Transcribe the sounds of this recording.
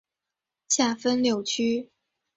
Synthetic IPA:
ɕja˥˩fə˥nljo˨˩ʊt͡ɕʰy˥

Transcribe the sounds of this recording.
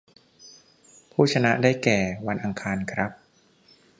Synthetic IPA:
pʰuː˥˩t͡ɕʰa˧na˦˥ʔdaː˥˩jkɛː˨˩wa˧nʔa˧ŋkʰaː˧nkʰɾa˦˥p̚

